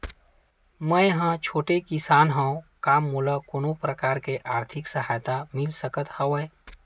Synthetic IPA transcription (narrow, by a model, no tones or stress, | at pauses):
məjɦãt͡ʃʰoːʈekɪsaːnɦə̃õkaːmːuləkonõpɾəkaːɾkeʔaːɾt̪ʰɪksəɦaːjt̪amɪlsəkət̪hɐʋəe